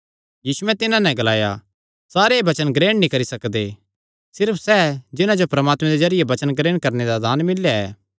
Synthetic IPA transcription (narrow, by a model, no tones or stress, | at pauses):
jiːsuɛ̃t̪ɪnãnɛ̃ɡɐlaːja̰ | saːɾebɐt͡ʃənɡɾeːɽnĩkɐɾisɐkd̪e | sɪɾpʰsɛd͡ʒɪnãd͡ʒopɾɐmaːt̪mɛ̃d̪ezɐɾɪjebɐt͡ʃənɡɾeːɽ̃kɐɾned̪ad̪aːnmɪlːjaɛ̰ː